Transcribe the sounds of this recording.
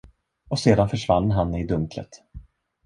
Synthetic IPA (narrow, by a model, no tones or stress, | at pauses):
ɔseːd̪anfœʂvanːɦanːɪd̪ɵŋklə̰t̪